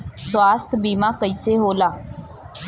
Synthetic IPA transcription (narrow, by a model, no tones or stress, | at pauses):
swaːst̪ʰbiːmãːkəiseːɦoːlaː